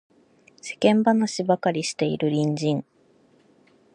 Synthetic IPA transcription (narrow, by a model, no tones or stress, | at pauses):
se̞̥kẽ̞mbanaɕibakaɾʲiɕi̥t̪e̞ḭɾɯ̟ɾʲĩɲ̟d͡ʑĩŋ